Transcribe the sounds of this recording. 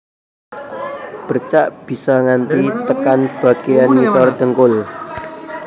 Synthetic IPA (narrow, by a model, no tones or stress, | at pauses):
b̥ə̤rt͡ʃaʔb̥i̤sɔŋant̪it̪əkanb̥a̤ɡ̥eanisɔrd̪̥ə̤ŋkʊl